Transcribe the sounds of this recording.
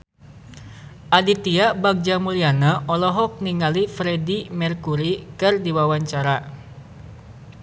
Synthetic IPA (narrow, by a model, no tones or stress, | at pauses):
ʔadit̪iabaɡ̚d͡ʒamulianaʔɔlɔɦɔk̚niŋalifɾedimɛrkuɾikɨrdiwawaɲt͡ʃaɾa